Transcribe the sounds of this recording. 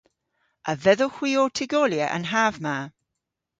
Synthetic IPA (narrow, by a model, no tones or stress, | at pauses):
ʔəvɛðoxw̥iːɔːtʰɪɡoːljəʔə̰̃nɦavma